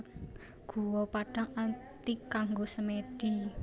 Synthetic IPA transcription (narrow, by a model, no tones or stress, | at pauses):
ɡ̥ṳwɔpaɖ̥a̤ŋat̪ikaŋɡosəmeɖ̥i